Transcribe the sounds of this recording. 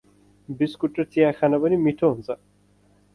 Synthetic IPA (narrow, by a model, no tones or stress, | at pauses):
biskuʈːɐɾt͡sijakʰanabʌnimiʈʰoɦũnt͡sa